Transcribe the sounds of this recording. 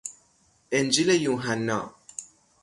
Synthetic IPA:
end͡ʒilejuːɦænːɒ̰ː

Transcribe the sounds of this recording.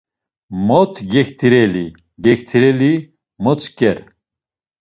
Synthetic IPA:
mɔt̪ʰɡɛxt̪ʰiɾɛli | ɡɛkt̪ʰiɾɛli | mɔt͡sʰkɛɾ

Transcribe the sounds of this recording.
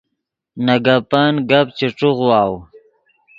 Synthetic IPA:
naɡapaːnɡapt͡ʃiʈ͡ʂuɣwaːw

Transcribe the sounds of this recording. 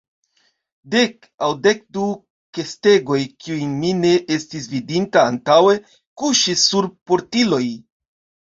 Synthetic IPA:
de̞k | awde̞k̚du | ke̞ste̞ɡo̞jkʰiujmine̞ʔestis̬vidintaːntawe̞ | kuʃisːuɾpo̞ɾtilo̞j

